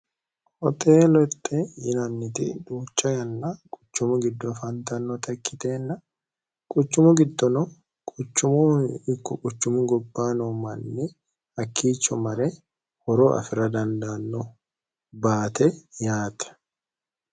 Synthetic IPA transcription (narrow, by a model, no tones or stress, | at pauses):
hɔt̪ʰe̞ːlɔt̪ʼːɛjɪnɐnːɪt̪ɪ̰d̪uːt͡ʃːɐjɐnːɐkʼʊ̥t͡ʃːʊmʊɡɪd̪ːɔfɐnt̪ɐnːɔt̪ɐkːɪt̪e̞ːnːɐ | kʼʊt͡ʃːʊmʊɡɪd̪ːɔnɔ | kʼʊt͡ʃːʊmʊɪkːɔkʼʊt͡ʃːʊmʊɡɔbːaːnɔmɐnːɪ | ɐkʰːiːt͡ʃːɔmɐɾɛ | hɔɾoːʔɐ̰fɪɾɐd̪ɐnd̪aːnːɔ | baːt̪ɛjaːt̪ɐ̥